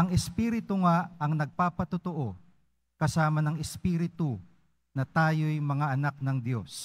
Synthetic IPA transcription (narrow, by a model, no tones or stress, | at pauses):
ʔɐŋɛspiːɾɪt̪ʊŋaɐŋnɐɡ̚paːpɐt̪ot̪oʔo̞ | kɐsaːmɐnɐŋɛspiːɾɪt̪ʊ | nɐt̪aːjojmɐŋaʔɐnak̚nɐŋd̪jo̞̰s